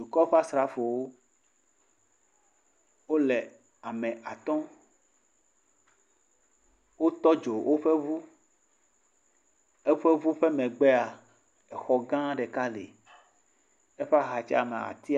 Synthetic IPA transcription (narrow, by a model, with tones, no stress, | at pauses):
d͡ʒu˨kɔ˦ɸa˦sɾa˨fo˨wo˦ | wo˦lɛ˨ | a˨mɛ̃˨ʔa˨t̪ɔ̃˦ | wo˦t̪ɔ˦d͡ʒo˨wʔo˦ɸe˦vu˦ | e˦ɸe˦vu˦ɸe˦mɛ̃˨ɡ͡bɛ˦a˨ | ɛ˨xɔ˦ɡã˦ɖe˨ka˦lḛ˨ | e˦ɸɛ˦a˦ɦa˨t͡ʃɛ˦a̰˨mɛ̰̃˨a̰˨t̪i˦